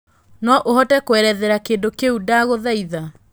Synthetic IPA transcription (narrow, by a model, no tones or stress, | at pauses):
nɔʔoɦɔtɛkoɛɾɛðɛɾakeːndokeudaːɣoðaiða